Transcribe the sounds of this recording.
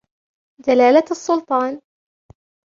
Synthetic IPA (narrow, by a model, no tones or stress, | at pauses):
d̪alaːlaɑsˤːʊlt̪ˤɑːn